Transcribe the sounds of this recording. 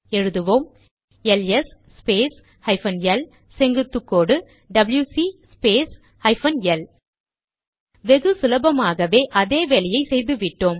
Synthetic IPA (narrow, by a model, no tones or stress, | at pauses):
ɛɻɯðɯʋoːm | ɛlɛsspeːs | hɐɪfɐnjɛl | sɛŋɡɯt̪ːɯkːoːɽɯ | ɖɐbljuːsispeːs | hɐɪfɐnɛl | ʋɛɣɯsʊlɐbɐmaːɣɐʋeːʔɐðeːʋɛɭɪjɐɪsɛjðɯʋɪʈːoːm